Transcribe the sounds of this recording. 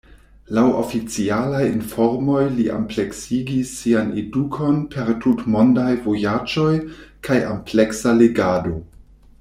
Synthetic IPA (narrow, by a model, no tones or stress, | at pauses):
lawo̰fit͡sialajinfo̞ɾmo̞jliʔa̰mple̞ksiɡisːianedukʰo̞npʰe̞ɾtutmo̞ndajvojad͡ʒo̞jkʰaja̰mpleksaleɡado̞